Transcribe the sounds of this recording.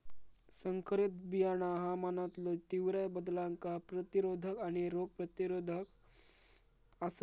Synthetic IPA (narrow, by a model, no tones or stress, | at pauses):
səŋkɾit̪̚bijanaɦamaːnat̪lot̪iwɾəjbəd̪lãŋkapɾət̪iɾoːd̪ʱəkañiɾoɡ̚pɾət̪iɾoːd̪ʱək | as